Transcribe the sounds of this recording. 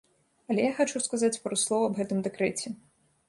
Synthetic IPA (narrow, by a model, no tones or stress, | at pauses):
ɐlʲɛjaxat͡ʂuskazat͡sʲpɾɔslˠɔvɐɐbɣɛt̪ɨmd̪ɛkɾɛt͡sʲɛ